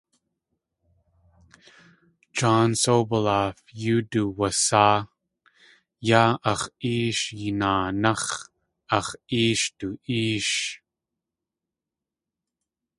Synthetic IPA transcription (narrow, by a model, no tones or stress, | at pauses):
d͡ʒɑːnsobəlafjuduwɐsaː | jaʔɐχiːʃjinaːnaχ | ʔɐχiːʃtuʔiːʃ